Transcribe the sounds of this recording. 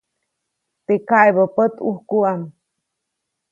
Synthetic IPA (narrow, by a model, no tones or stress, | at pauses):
t̪ekajbəpət̪uhkuam